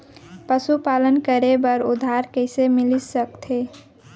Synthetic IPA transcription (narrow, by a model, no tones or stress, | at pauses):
pəsupalənkəɾebəɾṵd̪ʱaɾkəɪsemilisəkt̪ʰe